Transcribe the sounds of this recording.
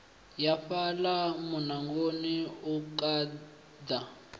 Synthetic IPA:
jafalamunaŋɡoniukʼaː | d̪a

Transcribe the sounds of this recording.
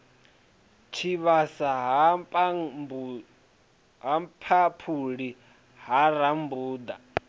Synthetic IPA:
t͡ʃʰiβasaɦ | ɦapʰapʰuɺi | ɦaɾambuːd̪a

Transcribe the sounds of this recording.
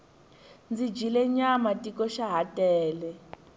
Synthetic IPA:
nd͡zid͡ʒilɛɲamatikɔʃaɦatʼɛːlɛ

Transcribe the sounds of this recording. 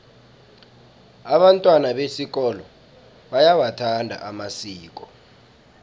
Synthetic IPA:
aɓantʼwanaɓesik̬ɔlɔ | ɓajawatʰandʱa̰ʔamasiːk̬ʼɔ

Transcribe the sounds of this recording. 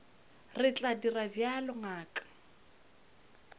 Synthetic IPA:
rɪt͡ɬʼadirabjalɔŋaːkʼḁ

